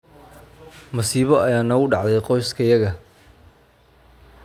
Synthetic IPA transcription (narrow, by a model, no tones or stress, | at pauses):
mɐsiːβɔɐjaːnɐʊɖɑʕd̪ɛjqɔjskʰɐjɐɣɐ